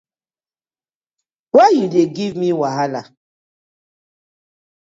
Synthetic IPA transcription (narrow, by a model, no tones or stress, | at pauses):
wajudeɡivmiwaɦala